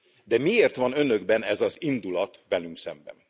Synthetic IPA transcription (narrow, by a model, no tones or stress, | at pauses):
d̪ɛmieːrt̪ʋɒnø̞nø̞ɡbɛnɛzɒzind̪ulɒt̪ʋɛlyŋksɛmbɛ̰n